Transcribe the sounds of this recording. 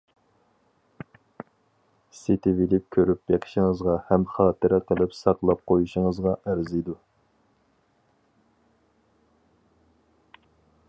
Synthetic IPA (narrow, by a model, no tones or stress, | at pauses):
sit̪ʰɪvilɪp̚kʲʰøɾypbeqʰɪ̥ʃɪŋəzʁɑhɛmχɑːt̪ɨɾɛqʰəlˠɪpsɑqlˠɑp̚qʰojuʃɪŋəzʁɑʔæɾzid̪u